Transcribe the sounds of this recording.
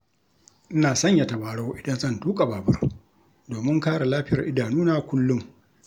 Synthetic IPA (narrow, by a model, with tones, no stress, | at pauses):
ʔɪ˦naː˨sɐ˦˨ɲja˨ta˨baː˨ɽa˦wʔɪ˨dɐ˦nzɐ˦˨ntuː˦kʼa˨baː˨bɐ˦r | doː˨mɪ˦ŋkaː˦ɽa˨laː˦ɸɪ˦jɐ˨ʔɪ˦daː˨nuː˦naː˦kʷʊ˦lːʊ˦ŋ